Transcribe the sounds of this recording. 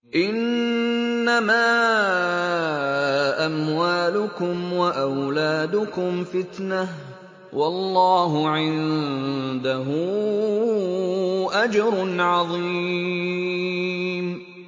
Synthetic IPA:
ʔɪnː | amaː | ʔamwaːlʊkʊmwaʔawlaːd̪ʊkʊmfɪt̪na | wʔɑlːɑːɦʊʕɪn | d̪aɦʊ | ʔad͡ʒɑɾˤnʕɑðˤi | m

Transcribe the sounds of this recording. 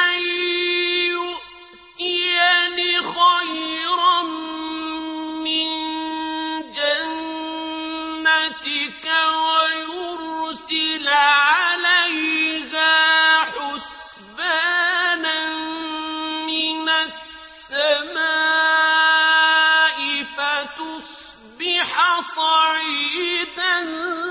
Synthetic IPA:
ʔaj | jʊʔ | t̪ɪjanɪxajɾɑ | mɪn | d͡ʒann | at̪ɪkawajʊɾsɪlʕalajkaħʊs | baːna | mɪnasːamaː | ʔɪfat̪ʊsˤ | bɪħasˤɑʕiːd̪an

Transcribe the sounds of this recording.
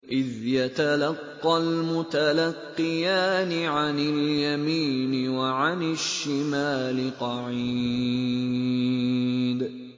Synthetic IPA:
ʔɪðjat̪alɑqːɑlmʊt̪alɑqːɪɨjaːnɪʕanɪljamiːnɪwaʕanɪʃːɪmaːlɪqɑʕi | d̪

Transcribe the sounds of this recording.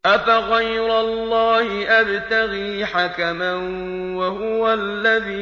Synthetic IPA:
ʔafaɣajɾalːɑːhɪʔabt̪aɣiːħakaman | wahʊwalːaðiː

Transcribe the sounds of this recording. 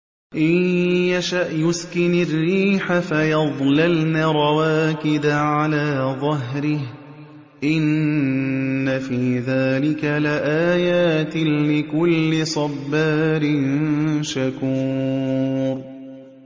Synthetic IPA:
ʔɪjjaʃaʔjʊskɪnarːiːħafajɑðˤlalnaɾˤɑwaːkɪd̪aʕalaːðˤɑɦɾɪh | ʔɪnː | afiːðaːlɪkalɪʔaːjaːt̪ɪːɪkʊlːɪsˤɑbːaːɾɪnʃakuː | ɾ

